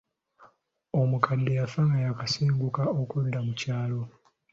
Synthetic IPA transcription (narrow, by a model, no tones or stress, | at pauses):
omukadːejafaŋɡajakasiːŋɡukaokudːamucaːlo̞